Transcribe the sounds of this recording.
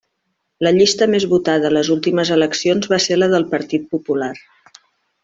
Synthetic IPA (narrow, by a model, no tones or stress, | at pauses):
ləʎist̪əmezβut̪aðələzulˠt̪iməzələksionzβaseɾləðəlˠpəɾt̪it̪̚pupular